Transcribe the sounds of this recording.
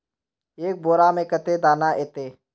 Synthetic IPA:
eːk̚boːɾaːmẽːkət̪eːd̪aːnaːʔeːt̪eː

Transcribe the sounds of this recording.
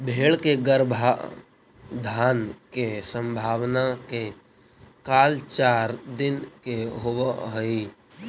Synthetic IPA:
bʱeːɭkeɡəɾbʱa | d̪ʱaːnkesə̃mbʱaːwnake | kaːlt͡ʃaːɾd̪ɪnkeɦowəɦəi

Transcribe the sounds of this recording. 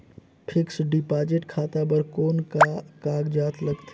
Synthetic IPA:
pʰɪksɖɪpaːd͡ʒɪʈkʰaːt̪abəɾkoːnkakaːɡd͡ʒaːt̪ʰləɡt̪ʰː

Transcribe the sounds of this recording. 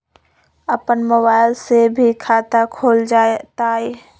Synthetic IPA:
əpənməβaːɪlsebʱikʰaːt̪akʰoːld͡ʒat̪aːeː

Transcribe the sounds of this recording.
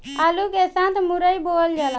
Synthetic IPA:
alukesãt̪muɾəjbold͡ʒala

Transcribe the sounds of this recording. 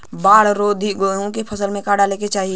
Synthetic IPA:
baːɽɾoːd̪ʱiɡoːjõkepʰəsəlmẽkaːɖaleket͡ʃaːɦi

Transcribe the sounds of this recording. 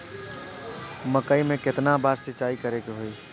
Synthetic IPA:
məkəimẽkɪt̪nabaːɾsɪt͡ʃaːikəɾeɡeɦoiː

